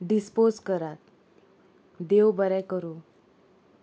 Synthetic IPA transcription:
ɖispod͡zkəɾat̪̚ | d̪ewbəɾɛkəɾo

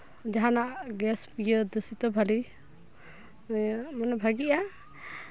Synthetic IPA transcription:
d͡ʒaɦanaʔɡɛspijəd̪əsit̪ɔbʱali | manɛbʱaɡiʔa

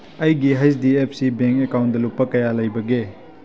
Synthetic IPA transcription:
ɐjɡiɦajs̬diep̚ʰsibeŋkekawnt̚dɐlupːɐkɐjalɐjbɐɡe

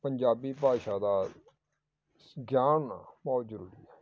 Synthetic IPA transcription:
pəɲd͡ʒaːbiːpaːʃaːd̪aː | ɡjaːnːabɔːt̪zəɾuːɾḭːɛː

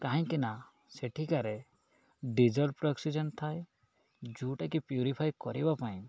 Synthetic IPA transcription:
kaɦĩŋkina | seʈʰikaɾe | ɖid͡ʒɔlpɾɔksid͡ʒɔnt̪ʰaj | d͡ʒuʈakipjuɾipʰajkɔɾibapaĩ

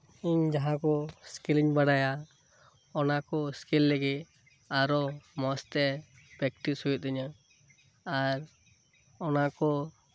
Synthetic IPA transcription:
iɲd͡ʒaɦãkɔskiliɲbaɽaja | ɔnakɔskilːɛɡɛ | aɾɔmɔst̪ɛ | pɾɛkʈisɦujɔt̪ɛɲa | aɾ | ɔnakɔ

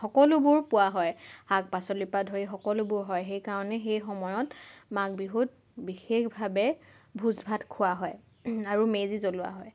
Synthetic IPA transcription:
xɔkɔlʊbʊɹpʊwaɦɔjhak̚pasɔlipadʱoɹixɔkɔlʊbʊɹɦɔjxejkaɹɔnɛxejxɔmɔjɔtmak̚biɦut̚ | bixexbʱabɛ | bʱuzbʱatkʰʊwaɦɔj | aɹumezizolʊa̰ɦɔj

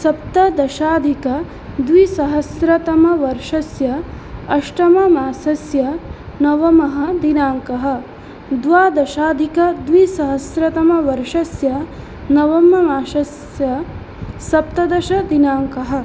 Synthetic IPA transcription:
sɐp̚t̪ɐd̪ɐʃaːd̪ʱikɐ | d̪ʋisɐɦɐsɾɐt̪ɐmɐʋɐɾʂɐsjɐ | ɐʂʈɐmɐmaːsɐsjɐnɐʋɐmɐɦɐ̆d̪inaːŋkɐɦɐ̆ | d̪ʋaːd̪ɐʃaːd̪ʱikɐd̪ʋisɐɦɐsɾɐt̪ɐmɐʋɐɾʂɐsjɐ | nɐʋɐmːɐmaːʃɐs | jɐ | sɐp̚t̪ɐd̪ɐʃɐd̪inaːŋkɐɦɐ̆

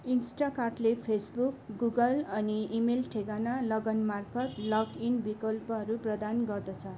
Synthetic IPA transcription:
insʈakarʈlepʰesbukɡuɡʌlʌniimelʈʰeɡanalʌɡʌnmarpʰʌt̪lʌkinbikʌlpʌɦʌɾuprʌd̪anɡʌrd̪ʌt͡sʰʌ

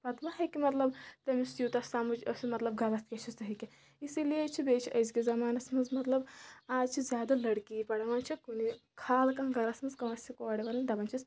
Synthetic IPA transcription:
pɐt̪mɐɦɐkimɐt̪lɐbt̪ɐmisjut̪ɐsaːmud͡ʒɐsimɐt̪lɐb̚ɡʱɐɾɐst̪̚kʲet͡ʃʰist̪ɐɦiki | isilijet͡ʃʰibeːt͡ʃʰiʔɐjskizɐmaːnɐsmɐnzmɐt̪lɐbaːd͡ʒt͡ʃʰizjaːd̪ɐlɐɽkiːpɐɽɐʋɐnt͡ʃʰikunikʰaːlkɐnɡɐɾɐsmɐnzkɐʋɐsikoːɽiʋɐlɐnɖɐbɐnt͡ʃʰis

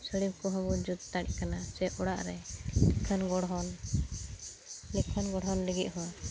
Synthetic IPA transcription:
səɽib̚kɔɦɔbud͡ʒud̪̚t̪aɽkanat͡ʃɛʔɔɽa̰ʔɾɛlɛkʰənɡɔɽɦɔn | lɛkʰːənɡɔɽɦɔnlɛɡiʔ̪̚ɦɔwa

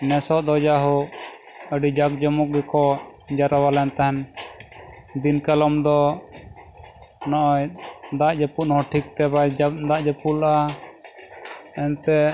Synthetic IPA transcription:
nɛsɔd̪ɔd͡ʒaɦɔ | əɖid͡ʒak̚d͡ʒɔmɔk̚ɡɛkɔd͡ʒaɾawalɛnt̪aɦɛn | d̪inkalɔmd̪ɔ | nɔʔɔjd̪aʔd͡ʒəpuʔnɔɦɔʈʰikt̪ɛbad̪aʔd͡ʒəpula | ɛnt̪ɛ

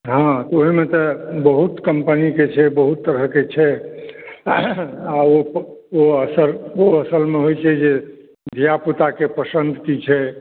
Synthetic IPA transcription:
ɦãt̪ɔoɦimet̪ɔbəɦut̪kəmpəniket͡ʃʰɛbəɦut̪ːəɾəket͡ʃʰɛ | aooəsəɾoəsəlmeɦojt͡ʃʰɛd͡ʒe | d̪ʱijaput̪akepəsənd̪ʱkit͡ʃʰɛ

